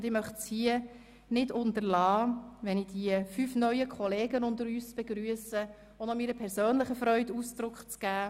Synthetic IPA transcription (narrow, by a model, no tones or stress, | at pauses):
ndɪmœχtshiə | nɪdʊntəɾlɑːʋɛnɪd̥iəfyfnœʏəkʰχɔleːɡənʊndəɾyːsb̥eɡɾyəsə | onɔmiːɾəpʰɛɾsøːnləχəfɾœʏtuːsd̥ɾʊkχt͡sɡ̥æː